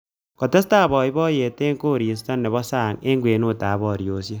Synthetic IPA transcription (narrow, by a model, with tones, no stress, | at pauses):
kɔ˨te˦staː˦˨bɔ˨i˦bɔː˦je˨te˦ŋko˦˨ɾi˨s̬ta˦nːɛ˨βɔ˦sa˦˨ŋe˦ŋɡweː˨no˦˨taː˨˦bɔː˦˨ɾjo˨˦sjɔ˦